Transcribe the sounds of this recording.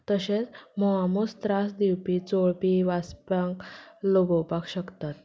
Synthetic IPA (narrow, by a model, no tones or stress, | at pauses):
t̪əɕet͡smɔɦamust̪ɾasd̪iwpit͡soɭpiʋaspãŋkloɡowpakɕəkt̪at̪